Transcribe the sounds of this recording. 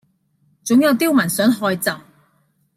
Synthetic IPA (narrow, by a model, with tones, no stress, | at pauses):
t͡sʊ˨˥ŋjɐ˨˧wt̪iː˥wmɐ˨˩nsœː˨˥ŋɦɔː˧jt͡sɐ˨˩w